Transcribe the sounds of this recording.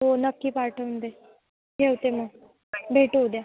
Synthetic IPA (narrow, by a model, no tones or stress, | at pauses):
ɦonəkːiːpaɾʈʰəʋnd̪e | ɡewt̪emə | bʱeʈud̪ja